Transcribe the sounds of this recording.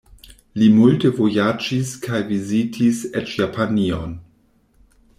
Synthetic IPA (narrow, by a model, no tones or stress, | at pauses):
limultəvojad͡ʒiskʰajvizitʰisɛtjapʰanion